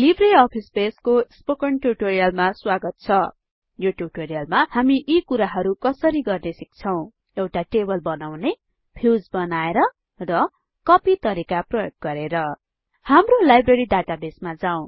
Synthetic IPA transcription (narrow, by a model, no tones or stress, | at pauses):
libreʌpʰispeskospokʌɳʈjuʈoɾijʌlmaswaɡʌt̪̚t͡sʰʌ | joʈjuʈoɾijʌlmahamiʔikuɾaɦʌɾukʌsʌɾiɡʌrnesik̚t͡sʰʌw̃ | ewʈaʈebʌlbʌnawne | bʰʱiwd͡zbʌnaeɾʌ | rʌ | kʌpit̪ʌɾikaprʌjok̚ɡʌɾeɾʌ | hamrolajbreɾiɖaʈabesmad͡zaw̃